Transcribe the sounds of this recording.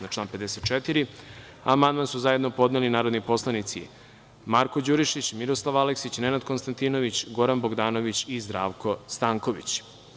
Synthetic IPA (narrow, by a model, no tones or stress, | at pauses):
at͡ʃlaːnped̪eset̪̚t͡ʃet̪iɾi | amand̪mansuzaje̞d̪no̞po̞d̪nelinaːɾod̪nipo̞slˠanit̪sḭ | maɾko̞d͡ʑuɾiʃit͡ɕmiɾoslˠaʋaleksit͡ɕne̞nad̪ko̞nst̪ant̪ino̞ʋit͡ɕɡo̞ɾanboɡd̪aːnoʋit͡ɕizd̪ɾaːʋkʰo̞st̪aːŋko̞ʋḭt͡ɕ